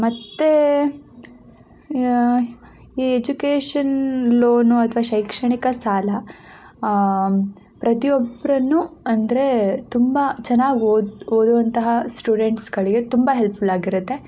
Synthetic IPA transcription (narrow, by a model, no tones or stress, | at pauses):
mɐt̪ːe | iːed͡ʒukeːʂɐnloːnuɐt̪ʰʋaːʃɐjkʂɐɳikɐsaːlɐ | pɾɐt̪ijɔbɾɐnːuɐnd̪ɐɾe̞t̪umbɐt͡ʃɛnːaːɡooːd̪uʋɐnt̪ɐɦɐsʈuːɖeɳʈsɡɐɭiɡe̞t̪umbɐɦelpʰulaːɡiɾut̪ːe̞